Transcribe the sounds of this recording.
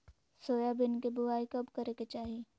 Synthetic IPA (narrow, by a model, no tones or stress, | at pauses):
soːjabɪnkebʊaːikɐbkɐɾeket͡ʃaːɦi